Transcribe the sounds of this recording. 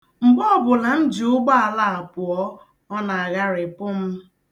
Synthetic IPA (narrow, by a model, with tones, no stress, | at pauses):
m̩˨ɡ͡bɔ˦˨bʊ˨la˨n̩˦d͡ʒi˨ʊ˦ɡ͡ba˦a˨la˦a˨pʊ˨ɔ˦ | ɔ˦na˨a˨ɣa˦ɾɪ˨pʊ˦m̩˦